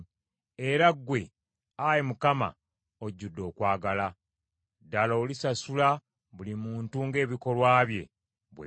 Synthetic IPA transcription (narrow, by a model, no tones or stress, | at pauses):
eɾaɡwe̞ | ajemukama̰ | oɟːudːo̞ːkwaːɡala | dːaloːlisasula | βulimuːntuŋɡe̞ːβiko̞lwaːβje̞̰ | βwe